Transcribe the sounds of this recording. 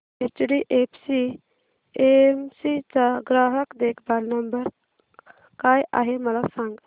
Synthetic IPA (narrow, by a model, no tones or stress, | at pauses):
et͡ʃɖiʔepʰsi | emsit͡saɡɾaɦəkd̪ekʰbaɾnəmbəɾ | kaja̰ɦeməlasãŋɡ